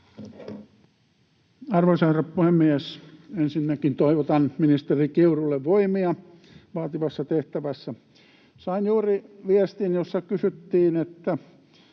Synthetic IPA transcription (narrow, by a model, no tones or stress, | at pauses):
ɑrʋosɑherɑppuhemːiæsensinːækint̪oiʋot̪ɑnminist̪erikiurulːeʋʋoimiɑ | ʋɑːt̪iʋɑsːɑt̪eht̪æʋæsːæ | sɑinjuːriʋiest̪injosːɑkysyt̪ːiːnet̪ːæ